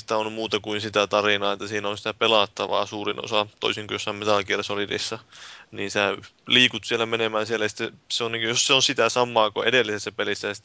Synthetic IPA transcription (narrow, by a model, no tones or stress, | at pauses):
i̥t̪æonmuːt̪ɑkuinsit̪æt̪ɑrinɑːet̪ːæsiːnæonsi̥t̪æpelɑt̪ːɑʋɑ̰ːsuːrino̰sɑt̪o̰isiŋkojosːɑmmet̪ɑlkieresolirḭsːɑniːnsæliːkut̪sielːˑæmenemæːnsielæjɑsi̥t̪ːeseonniŋkjosseonsit̪æsɑmːˑɑːkoʔḛdelːisesːæpelisːæjɑsit̪ː